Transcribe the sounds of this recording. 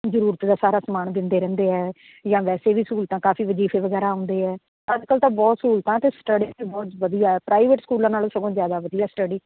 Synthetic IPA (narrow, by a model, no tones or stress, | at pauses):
zəɾuːɾət̪d̪aːsaːɾaːsəmaːnd̪ɪ̃nd̪eːɾɛ̃ːnd̪eːɦɛː | d͡ʒãːʋɛːseːʋiːsuːlt̪ãːkaːfiːʋəd͡ʒiːfeːʋəɡɛːɾaːʊ̃ːnd̪eːɦɛː | əd͡ʒkəlt̪ãːbɔːt̪suːlt̪ãːt̪eːsʈəɖiːiːbɔːt̪ʋəd̪ijaːɛːpɾaːiʋeʈskuːlãːnaːloːsəɡõːzjaːd̪aːʋəd̪ijaːsʈəɖiː